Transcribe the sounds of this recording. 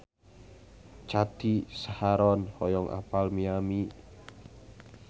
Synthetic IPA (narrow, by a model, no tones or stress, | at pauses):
t͡ʃad̪̥isahaɾɔnhɔjɔŋʔa̰palmiami